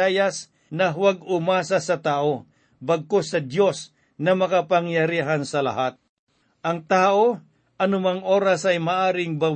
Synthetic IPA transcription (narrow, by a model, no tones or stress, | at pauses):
ajas | nɐɦʊwaɡʊmaːsasɐt̪aːʔo | bɐɡ̚kosɐd̪jo̞s | nɐmɐkɐpaŋjɐɾiɦansɐlɐ̰ɦat̪̚ | ʔɐŋt̪aːʔo | ʔɐnʊmaŋʔo̞ːɾasɐjmaʔaːɾɪŋbɐw